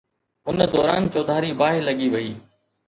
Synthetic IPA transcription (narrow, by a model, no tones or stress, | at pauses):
ʊnd̪ɔːɾaːnt͡ɕoːd̪ʱaːɾibaːɦɪlɐɠiʋɐiː